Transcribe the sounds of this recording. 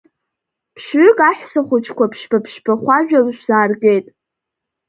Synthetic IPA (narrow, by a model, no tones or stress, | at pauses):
pʰʃɥʏkʼaħᶣʷsaχʷʊt͡ʃʰkʷapʰʃbapʰʃbaχʷaʒᶣaʒz̥aːrɡejtʼ